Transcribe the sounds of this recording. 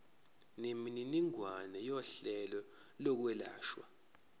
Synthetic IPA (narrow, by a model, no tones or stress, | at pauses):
nemininiŋwanɛjɔɬɛlɔ | lɔk̬wɛla̰ːʃwa̰